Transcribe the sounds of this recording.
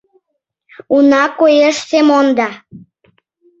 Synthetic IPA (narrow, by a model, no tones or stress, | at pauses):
unɑkojeʃsemond̪ɑ